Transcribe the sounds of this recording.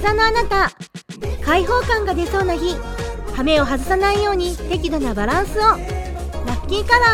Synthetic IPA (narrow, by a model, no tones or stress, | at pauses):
zano̞anat̪a | kaiɦo̞ːkãŋɡad̪e̞so̞ːnaçihame̞o̞ɦazɨsanaijo̞ːɲ̟it̪e̞k̬ʲid̪o̞nabaɾãɰ̃sɨo̞ɾakʲːĩŋkaβa